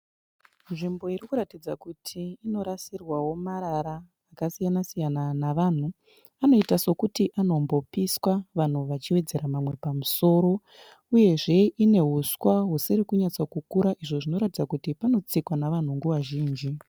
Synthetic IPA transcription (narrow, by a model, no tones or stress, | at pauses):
nʐimbo̞iɾikuɾatid͡zakutʰiːno̞ɾasirwawo̞maɾaɾaː | kasijanasijananaʋan̤u | ano̞itaso̞kutiʔano̞mbo̞piswaʋan̤uʋat͡ʃiwe̞d͡ze̞ɾamamwe̞pamuso̞ːɾo̞ | uje̞ʐe̞ʔine̞ɦuswaɦusiɾikuɲat͡sakukuɾaʔiʐoʐino̞ɾatid͡zakutipano̞t͡sikwanaʋan̤uŋɡuwaʒiːnd͡ʒi